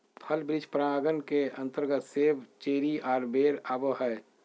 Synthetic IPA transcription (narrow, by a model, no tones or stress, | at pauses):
pʰəlbɾɪd͡ʒpɾəaːɡənkeə̃nt̪əɾɡət̪seːʋt͡ʃeːɾiaːɾbeːɾaːbəɦɛ